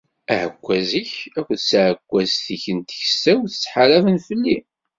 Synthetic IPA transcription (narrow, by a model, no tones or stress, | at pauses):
æʕəkʷːæziçækʷːθsʕəkʷːæzθiçənt̪çəsːæwθə̥t͡sːħaɾævənfəlːi